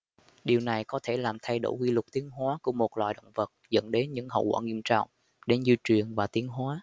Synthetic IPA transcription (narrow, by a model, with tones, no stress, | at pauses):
ɗi˨˩əwna˨˩jkɔ˨˦t̪ʰe˧˩laː˨˩mt̪ʰa˧jɗo̰˧˩jkwi˧lʊ˨˩k̚t̪i˨˦ənɦwaː˨˦ku˧˩əmo˨˩t̚lwa̰˧˨jɗə̰˧˨wŋ͡mvə˨˩t̚zə̰˧˥nɗe˨˦nɲɨ̰˧˥ŋhə̰˧˨wkwaː˧˩ŋi˧əmt͡ɕɔ̰˧˨wŋ͡m | ɗe˧˩˦nzi˧t͡ɕwi˨˩ənvaː˨˩t̪i˨˦ənɦwaː˨˦